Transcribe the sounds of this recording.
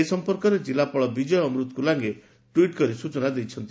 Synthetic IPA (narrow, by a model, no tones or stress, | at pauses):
esɔmpɔɾkɔɾed͡ʒilapɔɭɔbid͡ʒɔjɔːmɾut̪ɔ̥kulaŋɡe | ʈwiʈkɔɾisut͡ʃɔnad̪ejt͡ʃʰɔnt̪i